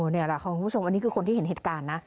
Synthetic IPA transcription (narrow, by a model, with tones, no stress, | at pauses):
ni˦˥˩ɐla˧˨˩ʔʰxa˦ku˧˦˥o˧mʔa˧nːiː˦˥kʰɯː˧ko˧nt̪ʰiː˥˩˨e˩˦ɦe˨˩t̪̚kaː˧nːa˦˥